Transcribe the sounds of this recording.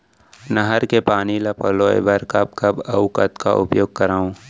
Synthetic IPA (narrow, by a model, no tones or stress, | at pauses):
nɐɦəɾkepaːnilɐpəloːḛbɐɾkɐb̚kɐbɐʊkət̪ka̰ʔʊ̰pjoːɡ̚kɐɾaːũ